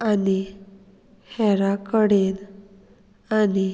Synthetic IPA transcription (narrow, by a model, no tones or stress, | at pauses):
ani | hɛɾakəɽen | ani